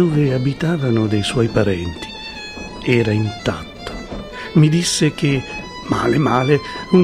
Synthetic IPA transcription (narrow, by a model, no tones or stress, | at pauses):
oːveabit̪aːvanʊd̪ɛjswɔjpaɾɛnt̪i̥ | ɛːɾaint̪a̰t̪ːo̥ | mid̪isːek̟e | ma̰ːlemaːlenun